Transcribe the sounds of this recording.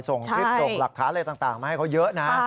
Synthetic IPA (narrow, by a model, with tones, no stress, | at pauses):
so˨˩ŋt͡ɕʰi˥˩so˨˩ŋla˨˩kʰːaː˦˥nləː˧jt̪aː˨˩ŋt̪aː˨˩ŋma˦˩ha˥˩jkʰa˦˥wjɤ˦˥ʔna˦˥